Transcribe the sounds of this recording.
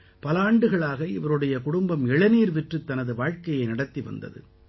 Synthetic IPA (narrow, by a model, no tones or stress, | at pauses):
pɐlaːɳɖɯɣɐɭaːɣɐɪʋɐɾɯɽɐjɐkʊɽʊmbɐmɛɭɐniːɾʋɛʈrɯt̪ːɐnɐðɯʋaːɻkɐjɐɪnɐɽɐt̪ːiʋɐ̰nd̪ɐ̰ðɯ̰